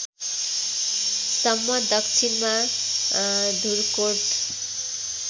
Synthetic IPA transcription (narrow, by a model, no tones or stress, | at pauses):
sʌmːʌd̪ʌkt͡ʃʰinma | d̪ʱuɾkoɾʈ